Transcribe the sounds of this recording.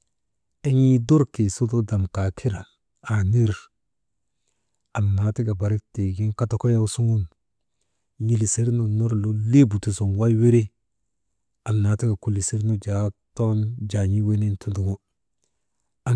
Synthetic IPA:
e˦ɲi˦do˦ɾki˨su˦to˦da˨mka˨kʰi˦ɾa˨ | a˨ni˦ɾ | a˨mna˨˦ti˦ɡa˨ba˨ɾi˦kte˨ɡi˦ka˦ta˦ko˦ja˦wsu˦ŋu˦n | ji˦˨li˨se˦ɾnu˨no˦ɾlo˦le˦bu˨ti˨so˨nwa˦jwe˦ɾe˦ | a˨mna˨˦ti˦ɡa˨ku˨li˨se˦ɾno˦d͡ʒa˨˦to˦nd͡ʒa˨ɲi˦we˦ne˦ntʰu˦du˨ɡo˦ | a˨

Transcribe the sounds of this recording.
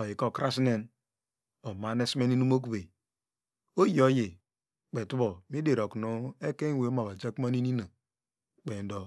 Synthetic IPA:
ɔ˨ji˨ko˦˨kɾa˦sne˦n | o˨ma˨ne˦sme˦ni˦nu˦mo˦k̬u˨be˨ | o˦ji˦o˦je˨ | k͡pe˨tu˦bo˨mi˦de˨ɾo˨knu˦e˦ke˦we˨o˦ma˨βa˨d͡ʒa˦ku˦ma˦ni˦ni˦na˨ | k͡pe˨n˦do˨

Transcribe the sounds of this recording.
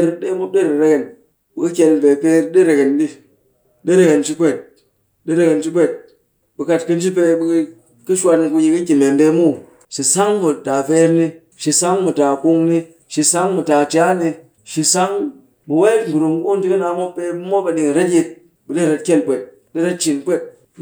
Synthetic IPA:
ɾɗe˦mu˦ɗe˦˨ɾe˨ɾe˦ke˨n | ɓu˨ki˦kʲe˧lbe˨pe˧˦ɾɗe˦ɾe˨ke˨nɗi˦ | ɗe˦ɾe˦˨ke˨nt͡ʃi˦pʷe˨t̚ | ɗe˦ɾe˦ke˨nt͡ʃi˦pʷe˦t̚ | ɓɨ˨ka˧t̚kɨ˦n˦t͡ʃi˦p̬e˧ɓu˧˦ | kɨ˦ʃwa˧ni˧ku˧ji˧ki˦kʲi˨me˨m˦be˧mu˦˨ | ʃi˨sa˦ŋmu˨ta˨fe˦˧ɾni˧ | ʃi˨sa˦ŋmu˨ta˨ku˧ŋni˧ | ʃi˧sa˦ŋmu˨ta˨t͡ʃʲa˦ni˧ | ʃi˧sa˦ŋ | mu˨we˦˨ɡu˨ɾu˨m˦u˦n˦di˦kɨ˦na˧˦mo˦pːe˧˦mo˦ba˧ɗi˨ŋ˨ɾe˦tji˧t̚ | ɓɨ˨ɗe˦ɾe˧tkʲe˦lpʷe˨t̚ | ɗe˦ɾe˦t̚t͡ʃi˨nkʷe˦t̚

